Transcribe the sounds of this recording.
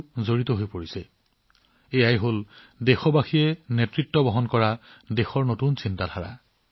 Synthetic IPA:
zoɹitɔɦojpoɹisɛ | ejajɦol | dexɔbaxiɛnetɹitːɔbɔɦɔnkɔɹadexɔɹnotunsintatʰaɹa̰

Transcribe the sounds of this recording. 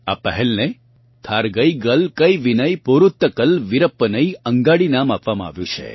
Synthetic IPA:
a̰pəɦɛlne | t̪ʰaɾɡəiɡəlkəjʋinəjpoɾut̪ːəkəlʋɪɾəpːənəiəŋɡaɽinamapʋamãa̰ʋjũt͡ʃʰḛ

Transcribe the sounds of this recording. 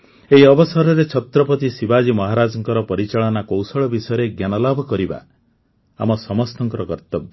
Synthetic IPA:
eɦiɔbɔsɔɾɔɾet͡ʃʰɔt̪ɾɔpɔt̪isibad͡ʒimɔɦaɾad͡ʒɔŋkɔɾɔpɔɾit͡ʃaɭɔnakowsɔɭɔbisɔjɔɾeɡjanɔlabʱɔkɔɾiba̰ | a̰mɔsɔmɔst̪ɔŋkɔɾɔkɔɾt̪ɔbʱ

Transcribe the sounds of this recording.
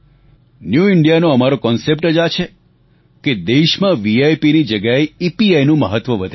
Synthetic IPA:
njuiɳɖijanoəmaɾokɔnsep̚ʈəd͡ʒat͡ʃʰe | ked̪eʃmãʋiajpinid͡ʒəɡjaeipiajnũməɦət̪ʋəʋəd̪ʱe

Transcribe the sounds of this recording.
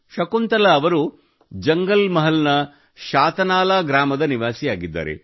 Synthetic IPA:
ʃɐkunt̪ɐlɐːʋɐɾu | d͡ʒɐŋɡɐlmɐɦɐlnɐ | ʃaːt̪ɐnaːlaːɡɾaːmɐd̪ɐniʋaːsijaːɡid̪ːa̰ːɾḛ

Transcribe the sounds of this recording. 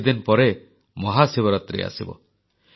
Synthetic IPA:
d̪inpɔɾe | mɔɦasebɔɾɔt̪ɾḛa̰sibɔ̰

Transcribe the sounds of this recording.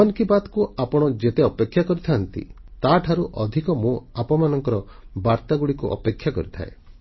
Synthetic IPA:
ankibat̪kuapɔɽ̃ɔd͡ʒet̪eɔpekʰːjakɔɾit̪ʰaːnt̪ḭt̪aʈʰaɾuʔɔd̪ʱikɔmũapɔmanɔŋkɔɾɔ | baɾt̪aɡuɽikuʔɔ̰pekʰːjakɔ̰ɾit̪ʰa̰e

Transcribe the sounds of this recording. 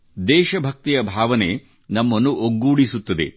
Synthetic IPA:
d̪ɛːʃɐbʱɐk̚t̪ijɐbʱaːʋɐne̞̰ | nɐmːɐnːuʔoɡːuːɽisut̪ːɐd̪e̞̰

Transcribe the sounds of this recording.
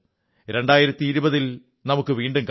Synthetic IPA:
ɾeɳɖaːjiɾɐt̪ːiːɾubɐðil | nɐmukːɨʋiːɳɖumk

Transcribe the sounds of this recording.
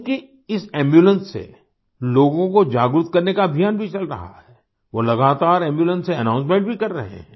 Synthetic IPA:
ki | ɪsɛ̃ːmbjuːlə̃nsːḛ | loːɡõkod͡ʒaːɡɾʊt̪kɐɾnekaɐbʱijaːnbʱit͡ʃɐlɾɐ̰ɦa̰ɦɛː | ʋolɐɡaːt̪aːɾɛ̃ːmbjuːlə̃nsːeɐnãːʊns̬mẽːɳʈ̚bʱikɐɾːɐɦḛ̃ɦɛ̃ː

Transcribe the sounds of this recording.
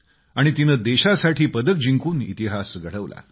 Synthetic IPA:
aɽ̃it̪inəːd̪eɕasaʈʰiːpəd̪ək̚d͡ʑiŋkuːnḭt̪iɦasɡʱəɽ̤əʋlʔa̰

